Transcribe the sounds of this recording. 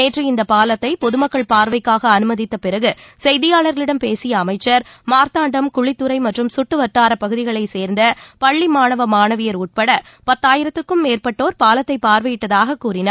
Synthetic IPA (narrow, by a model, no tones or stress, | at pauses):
eːʈriɪnd̪ɐpaːlɐt̪ːɐɪpɔðɯmɐkːɐɭpaːɾʋɐɪkːaːɣɐːnɯmɐðɪt̪ːɐpɪɾɐɣɯsɛjðɪjaːɭɐɾɣɐɭɪɽɐmpeːsɪjɐːmɐɪt͡ʃːɐɾmaːɾt̪aːɳɖɐmkʊɻɪt̪ːɯɾɐɪmɐʈrɯmsʊʈːɯʋɐʈːaːɾɐpɐɣɯðɪɣɐɭɐɪseːɾnd̪ɐpɐɭːimaːnɐʋɐmaːnɐʋɪjɐɾuːʈ̚pɐɽɐ | pɐt̪ːaːjɪɾɐt̪ːɯkɯmːeːrpɐʈːoːɾpaːlɐt̪ːɐɪpaːɾʋɐjɪʈːɐðaːɣɐkːuːrɪna